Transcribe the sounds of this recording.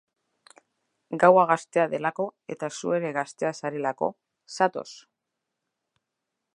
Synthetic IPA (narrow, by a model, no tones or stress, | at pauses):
ɡawaɣ̞ast̪e̞aðe̞lako̞e̞t̪asue̞ɾe̞ɣast̪e̞asaɾelako̞̰ | sat̪o̞̰s